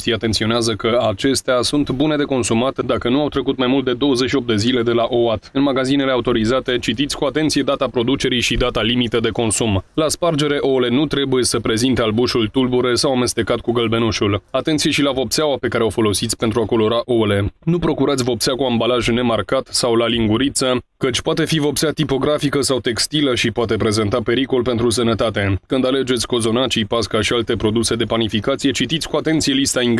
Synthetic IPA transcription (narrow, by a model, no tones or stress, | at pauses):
t̪iat̪e̞nt̪sio̞neazəkəat͡ʃe̞st̪easunt̪bune̞d̪e̞ko̞nsumat̪d̪akənuawt̪ɾe̞kut̪majmult̪̚d̪e̞d̪o̞wəzeʃio̞p̚d̪e̞zile̞d̪e̞laʔo̞at̪ɨnmaɡazine̞le̞aut̪o̞ɾizat̪e̞t͡ʃit̪it̪sʲkuat̪e̞nt̪sije̞d̪at̪apɾo̞d̪ut͡ʃe̞ɾijʃid̪at̪alimit̪əd̪e̞ko̞nsumlaspard͡ʒe̞ɾe̞ʔo̞le̞nut̪ɾe̞buje̞səpɾe̞zint̪ealbuʃult̪ulbuɾe̞sawame̞st̪e̞kat̪̚kuɡəlbe̞nuʃulat̪e̞nt̪sije̞ʃilavo̞pseawape̞kaɾe̞o̞fo̞lo̞sit̪sʲpent̪ɾuako̞lo̞ɾaʔole̞nupɾo̞kuɾat̪sʲvo̞p̚seakuambalaʒne̞markat̪sawlaliŋɡuɾit̪səkət͡ʃʲpoat̪e̞fivo̞pseat̪ipo̞ɡɾafikəsawt̪e̞kst̪iləʃipwat̪e̞pɾe̞ze̞nt̪ape̞ɾiko̞lpe̞nt̪ɾus̬ənət̪at̪e̞kɨnd̪ale̞d͡ʒe̞t̪sʲko̞zo̞nat͡ʃipaskaʃialt̪e̞pɾo̞d̪use̞d̪e̞panifikat̪sije̞t͡ʃit̪it̪sʲkuat̪e̞nt̪sije̞list̪aiŋ